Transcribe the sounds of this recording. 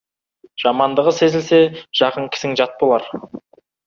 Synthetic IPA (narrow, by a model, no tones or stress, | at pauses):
ʒ̥ɑmɑnd̪əʁəse̞zɪlse̞ʒ̥ɑqəɴkʲʰɪ̥sɪŋʒɑt̪̚bo̞lˠɑɾ